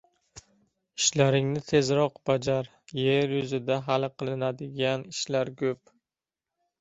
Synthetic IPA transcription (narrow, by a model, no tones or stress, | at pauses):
ɪʃlaɾɪŋnɪt̪ʰe̞zɾɒqbad͡ʒaɾ | jeɾjʊzɪd̪aɦalˠqʰɨlˠɪnad̪ɪɡʲanɪʃlaɾkʰʲɵp̚